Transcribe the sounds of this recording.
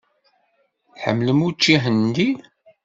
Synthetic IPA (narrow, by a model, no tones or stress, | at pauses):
ħə̰mːləmut͡ʃːiɦənd̪in